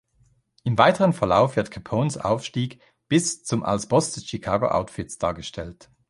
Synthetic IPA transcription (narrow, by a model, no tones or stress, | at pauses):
ʔɪmvaɪtəʁənfɛɐla̰ʊfv̥ɪɐtkʰapʰoːnsa̰ʊfʃtiːk | b̥ɪst͡sʊmʔa̰lsb̥ɔsd̥ɛsʃikʰaːɡo̰ʔa̰ʊtfɪtsd̥aːɐɡəʃtʰɛlt